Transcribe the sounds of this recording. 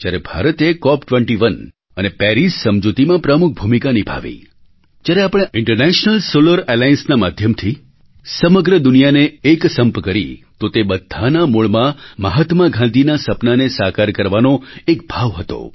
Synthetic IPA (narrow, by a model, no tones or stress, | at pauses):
d͡ʒjaɾebʱa̰ɾət̪ekɔpʈʋə̃ɳʈiʋən | ənepɛɾissəmd͡ʒut̪imãpɾəmuk̚ʰbʱumikanibʱa̰ʋḭ | d͡ʒjaɾeapɽ̃eɪɳʈəɾnɛʃnəlsoləɾelajənsnamad̪ʱjəmt̪ʰi | səməɡɾəd̪ʊnijaneːksəmpkəɾḭt̪ot̪ebəd̪ʱanamuɭmãməɦat̪maɡʱãnd̪ʱinasəpnanesakaɾkəɾʋanoekbʱaʋɦət̪o̰